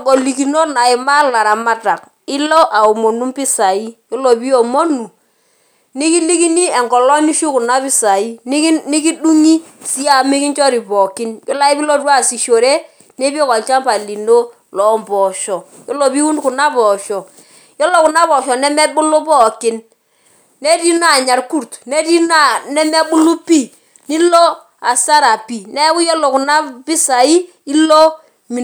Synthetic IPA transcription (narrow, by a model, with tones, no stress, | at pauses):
ko˨li˨ki˨no˦na˨ɪ˨ma˦la˨ɾa˨ma˦ta˨k̚ | ɪ˦lo˦ʔa˨o˨mo˨nu˦mpi˦sa˨i˦jo˦lo˨pi˦o˨mo˦nu˨ | ni˦ki˦li˦ki˦ni˦ɛ˨ŋkɔ˨lɔ˦ni˦ʃu˦ku˨na˦pɪ˦sa˨i˦n˦ni˦ki˦du˦ŋi˦si˦a˦˨mi˦ki˦nt͡ʃɔ˦ɾi˨pɔ˨kɪ˦njo˦la˦i˦pi˦lo˦twa˦˨si˨ʃo˨ɾe˦ | ne˦pe˦kɔ˨lt͡ʃa˦mpa˨li˨no˦ | lɔ˨˦mbɔ˨ʃɔ˨ | jɔ˦lo˨bi˦wu˦nkʊ˨na˦bɔ˨ʃɔ˨ | jɔ˦lo˨kʊ˨na˦bɔ˨ʃɔ˨nɛ˦mɛ˦bʊ˦lo˦pɔ˦˨kɪ˦n | nɛ˦di˦na˦˨ɲa˨rku˦ɾtnɛ˦di˦na˨nɛ˦mɛ˦bʊ˦lu˦pi˦˨ | nɪ˦lo˦ | a˨sa˦ɾa˨pi˨nɛ˦ku˦jo˦lo˨kʊ˨na˦pɪ˦sa˨i˦ | i˦lo˦ | mi˨